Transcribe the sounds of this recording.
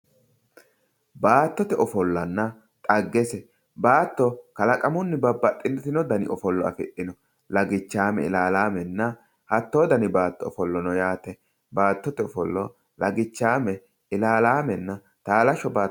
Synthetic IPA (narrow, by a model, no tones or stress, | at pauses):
baːt̪ːɔt̪ɛʔɔfɔlːɐnːɐ | t̪ʼɐɡːɛsɛ | baːt̪ːɔkɐlɐkʼɐmʊnːɪbɐbːɐtʼːɪnt̪ɪnɔd̪ɐnɪ̰ʔɔfɔlːɔɐ̰fɪ̰ʔɪnɔ | lɐɡɪt͡ʃːaːmɛ̰ɪ̰laːlaːmɛnːɐ | hɐt̪ːoːd̪ɐnɪbaːt̪ːɔ̰ːfɔlːɔnɔjaːt̪ɛ | baːt̪ːɔt̪ɛɔfɔlːɔ | lɐɡɪt͡ʃːaːmɛ | ɪlaːlaːmɛnːɐ | t̪aːlɐʃɔbaː